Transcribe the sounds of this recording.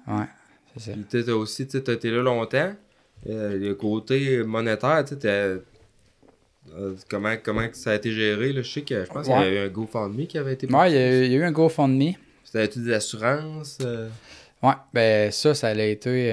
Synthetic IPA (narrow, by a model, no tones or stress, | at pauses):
wɛ̰ | sesɛpiet̪ɔosit͡set̪ɐet̪elʌlɔ̃ːt̪ã | ələkoːt̪emɔnet̪ɛːʁt͡set̪ya | kʌmãkɔmãsaːet̪eʒɛːʁelʌsɛkʲəʒə̥pãsjaɛyɛ̃ɡofɔ̃d̪mikʲiavɛet̪ewɛjajayɛ̃ɡofɔ̃d̪mi | st̪aɛt̪yd̪ezasyʁɑ̃ŋsø | wɛbɛ̃sʌsaːlɛet̪e